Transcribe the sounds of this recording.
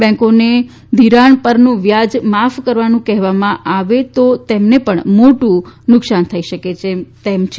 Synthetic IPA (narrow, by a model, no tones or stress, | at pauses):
bɛ̃ŋkone | d̪ʱiɾaɳpəɾnũʋjad͡ʒmafkəɾʋanũkɛɦʋamãʔaʋet̪ot̪ɛmnepəɳmoʈũnʊksant̪ʰəiʃəket͡ʃʰet̪ɛmt͡ʃʰe